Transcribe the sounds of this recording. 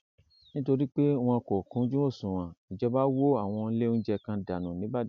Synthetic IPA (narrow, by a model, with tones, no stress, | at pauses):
nĩ˦to˧ɾi˦k͡pe˦w̃ɔ̃˧kɔ˨kũ˨˦d͡ʒũ˦o˦˨sũ˨w̃ã˨i˨d͡ʒɛ˧ba˦wo˦a˦˨w̃ɔ̃˧˦le˦n̩˦d͡ʒɛ˧kã˧da˨nũ˨nĩ˨˦ba˦˨